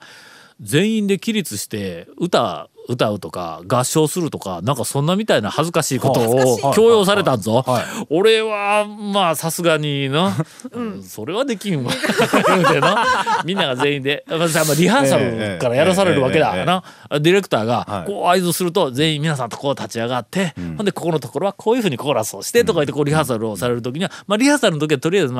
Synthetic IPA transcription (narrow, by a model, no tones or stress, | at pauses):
zẽ̞ɰ̃ĩnd̪e̞kʲiɾʲit͡sɨɕi̥t̪e̞ɯ̟t̪a̰ɯ̟t̪aɯ̟t̪o̞ka̰ɡaɕːo̞ːsɨɾɯ̟t̪o̞ka̰nãŋkasõnːamʲit̪ainahazɨkaɕiːko̞t̪o̞ːkʲo̞ːjo̞ːs̬aɾe̞t̪ãnzooɾe̞βamaːsasɨɡaɲ̟inã | ɯ̃so̞ɾe̞βad̪e̞kʲĩɰ̃βa | d̪enamʲĩnːaɡazẽ̞ĩnd̪e̞masamːaɾʲiɦãsaɾɯ̟kaɾajaɾas̬aɾe̞ɾɯ̟βake̞d̪a̰na | d̪ʲiɾe̞kɯ̟̥t̪aːɡako̞ːaizoːsɨɾɯ̟t̪o̞zẽ̞ːĩmʲːinasãnt̪okoːt̪ʰat͡ɕiaɡat̪ːe̞hõnd̪e̞ko̞kono̞t̪o̞ko̞ɾo̞βakʰoːjɯ̟ɸɯ̟ːɲ̟ikʰo̞ːɾasoːɕi̥t̪e̞t̪okait̪ːekoːɾʲiɦãs̬aɾɯ̟osaɾe̞ɾɯ̟t̪okʲiɲ̟iamaɾʲihãːsaɾɯnt̪ok̬ʲiḁt̪o̞ɾʲijazɨna